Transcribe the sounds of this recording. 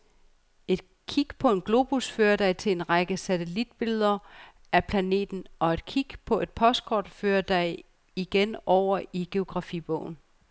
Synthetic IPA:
e̝d̥ | kʰiɡ̥pʰɒ̽e̝nɡ̥lo̝ːb̥usfø̰ːɐd̥ɑ̈ɪt͡sʰe̝e̝nʁɑɡ̥əsæt͡sʰelid̥̚b̥e̝lð̞ˠɐ | æpʰlæne̝̰ːd̥n̩ɒ̽e̝d̥kʰiɡ̥pʰɒ̽ʔe̝d̥̚pʰɒ̽sd̥̚kʰɒ̰ːd̥fø̰ːɐd̥ɑ̈ɪ | iɡ̥enɒʊ̰ɐiɡ̥e̝o̝ɡ̥ʁɑ̈fib̥ɔ̰ʊ̰n̩

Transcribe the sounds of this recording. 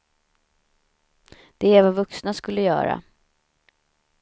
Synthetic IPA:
d̪̥ɛːɾvavɵksnaskɵlːəjœ̰ːɾa̰

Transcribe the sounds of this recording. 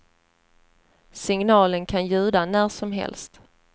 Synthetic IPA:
sɪŋnɑːlənkʰanjʉ̟ːd̪anæːʂɔmɦɛ̰lst̪

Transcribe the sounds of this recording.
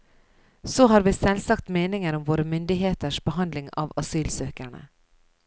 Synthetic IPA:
soːɦɑːɾʋiːsɛlsɑkt̪meːnɪŋəɾʊmʋoːɾəmʏnd̪ɪɦeːt̪əʃb̥əhɑnd̪lɪŋɑ̰ːʋɑsyːlsøːkæɳə̰

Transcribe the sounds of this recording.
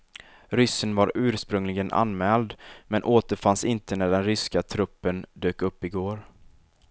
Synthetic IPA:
ɾʏsːənvaɾʉ̟ːɾʂpɾɵŋlɪɡənʔa̰nmɛːld̪mɛnʔoːt̪əɾfansɪnt̪ənæɖɛnɾʏskat̪ʰɾɵpːənd̪øːkɵpːɪɡoːɾ

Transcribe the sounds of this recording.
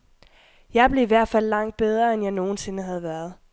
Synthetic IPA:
jɑ̈ɪb̥le̝iʋæɐ̰d̥fæl̰ːɑ̈ŋ̰d̥̚b̥eð̞ˠʁɐenjɑ̈ɪno̝ːn̩se̝nəɦæðˠʋæɐð̞ˠ

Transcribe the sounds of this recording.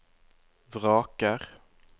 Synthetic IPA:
vɾɑːkaɾ

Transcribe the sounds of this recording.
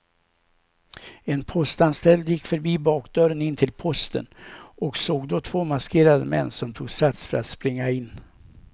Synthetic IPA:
ɛnpʰɔst̪anst̪ɛld̪jɪkːfœɾbiːbɑːkd̪œɾənɪnt̪ʰɪlpʰɔst̪ə̰nɔksoːɡd̪ɔt̪ʰv̥oːmaskʰeːɾad̪əmɛ̰nːsɔmt̪ʰuːɡsat̪sfœɾat̪spɾɪŋːaɪnː

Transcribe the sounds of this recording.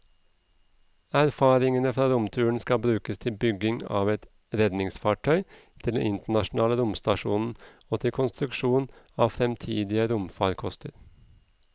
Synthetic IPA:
æɾfɑːɾɪŋənəfɾɑːɾʊmt̪ʰʉːəɳ̩skɑbɾʉːkəst̪ʰɪlbʏɡɪŋɑ̰ːʋɛt̪ | ɾɛd̪nɪŋsfɑːʈʰœʏ | t̪ʰɪlɛ̰nɪnt̪əɳɑʃn̩ɑːləɾʊmst̪ɑʃuːnn̩ | oːt̪ʰɪlkʰʊnst̪ɾʉkʃuːn | ɑːʋfɾɛmt̪ʰiːd̪ɪəɾʊmfɑːɾkʰɔst̪əɾ

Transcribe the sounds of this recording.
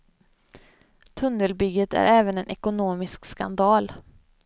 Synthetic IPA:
t̪ʰɵnːəlbʏɡət̪æ̰ɾʔɛːvənɛnʔɛkʊnoːmɪskska̰nd̪ɑːl

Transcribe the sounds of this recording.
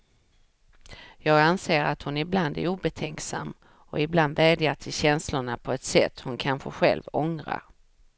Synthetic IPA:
jɑːɡanseːɾat̪hʊnɪbland̪æ̰ɾuːbɛt̪ʰɛŋksa̰mː | ɔɪbland̪vɛːd̪jaʈʰɪlɕɛnslʊɳapʰɔɛt̪sɛt̪ːhʊnkʰanɧə̰ɧɛ̰lvɔŋɾa̰ɾ

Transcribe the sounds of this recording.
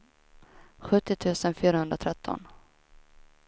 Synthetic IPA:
ɧɵt̪ːɪt̪ʰʉ̟ːsənfyːɾahɵnd̪ɾat̪ʰɾɛt̪ʰːɔ̰n

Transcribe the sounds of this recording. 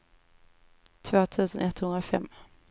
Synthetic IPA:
t̪ʰvoːt̪ʰʉ̟ːsənʔɛt̪hɵnd̪ɾafɛ̰mː

